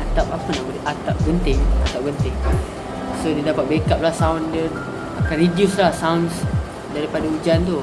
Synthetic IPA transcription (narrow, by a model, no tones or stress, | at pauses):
at̪apapanaʔbuleat̪ap̚bənt̪ɪŋa̰t̪ap̚bənt̪ɪŋ | sodədapat̪̚bekap̚lahsawndə | akanɾidiuslahsaʊns | daɾipadaud͡ʒant̪u